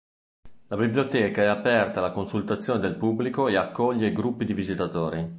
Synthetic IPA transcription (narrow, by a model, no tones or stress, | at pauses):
labibljot̪ɛːkaɛapɛrt̪alakonsult̪at̪sːjoːned̪elpubːlikoeakːɔʎːeiɡɾupːid̪ivizit̪at̪oːɾi